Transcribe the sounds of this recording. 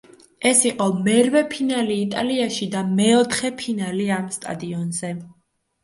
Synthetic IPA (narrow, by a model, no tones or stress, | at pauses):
ɛsiqʼɔmɛɾvɛpʰinaliːt̪ʼaliaʃid̪amɛɔt̪ʰχɛpʰinaliamst̪ʼa̰d̪iɔnzɛ